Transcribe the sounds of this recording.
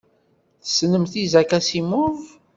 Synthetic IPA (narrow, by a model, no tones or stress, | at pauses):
θə̥snəmθizækæsimʊv